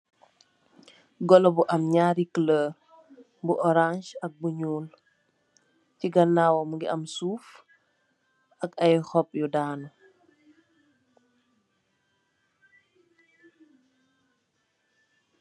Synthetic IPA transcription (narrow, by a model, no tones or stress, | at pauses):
ɡɔlɔbuʔɐmɲaːɾikləː | buʔɔɾanʃɐk̚buɲuːl | fiɡɐnːaːwɔmuŋɡiɐmsuːf | ʔɐkɐjxɔp̚judaːnɔ